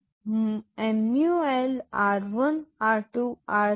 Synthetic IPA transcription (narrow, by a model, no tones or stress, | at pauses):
emjuelaːɾʋɐnaːɾʈuaːɾ